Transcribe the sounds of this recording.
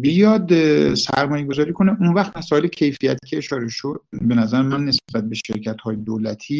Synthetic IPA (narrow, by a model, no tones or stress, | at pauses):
bijɒːd̪sæ̰ɾmɒːjeɡo̞zɒːɾiːkʰo̞neʔunvæxt̪mæsɒːelecʰe̞jfijæt̪ʰiːcʰeːʃɒːɾe̞ʃo̞d̪̚be̞næzæɾemænːesbæt̪̚beʃeɾcʰæt̪hɒːjed̪olæt̪ʰiː